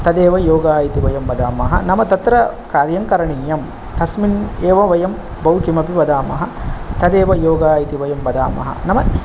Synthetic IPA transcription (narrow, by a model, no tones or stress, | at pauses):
t̪ɐd̪eːʋɐjoːɡaːjit̪iʋɐjɐmʋɐd̪aːmɐɦɐ̰nɐmɐt̪ɐt̪ɾɐkaːɾjɐŋkɐɾɐɳiːjɐm | t̪ɐsmineːʋɐʋɐjɐm | bɐwkimɐpiʋɐd̪aːmɐ̰ɦɐt̪ɐd̪eːʋɐjoːɡaːjit̪iʋɐjɐmʋɐd̪a̰ːmɐ̰ɦɐ̰nɐmɐ